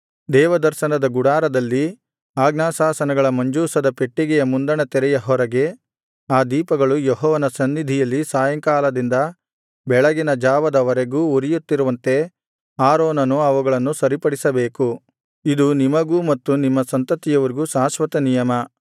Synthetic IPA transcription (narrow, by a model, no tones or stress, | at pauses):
d̪ɛːʋɐd̪ɐɾʃɐnɐd̪ɐɡuɽaːɾɐd̪ɐlːi | aːɡnaːsaːsɐnɐɡɐɭɐmɐɲd͡ʒuːsɐd̪ɐpe̞ʈːiɡɛjɐmund̪ɐɳɐt̪ɛɾɛjɐɦɔɾɐɡe̞ | aːd̪iːpɐɡɐɭujɔɦɔːʋɐnɐsɐnːid̪ʱijɐlːisaːjɐŋkaːlɐd̪ind̪ɐ | bɛɭɐɡinɐd͡ʒaːʋɐd̪ɐʋɐɾeɡuːuɾijut̪ːiɾuʋɐnt̪e̞ | aːɾoːnɐnuɐʋuɡɐɭɐnːusɐɾipɐɽisɐbeːku | id̪unimɐɡuːmɐt̪ːunimːɐsɐnt̪ɐt̪ːijɐʋɐɾiɡusaːʃʋɐt̪ɐnijɐmɐ